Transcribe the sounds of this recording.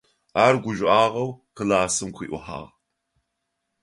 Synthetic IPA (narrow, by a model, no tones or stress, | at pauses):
aːrɡʷʊʒʷʼʔaːʁɐwqəlaːsɨmqʷʰḭːʔʷʊ̰ħa̰ːʁ